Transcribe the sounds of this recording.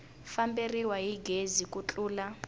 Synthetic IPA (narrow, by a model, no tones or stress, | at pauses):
famberiwaɦiɡʱezikʼut͡ɬʼuːla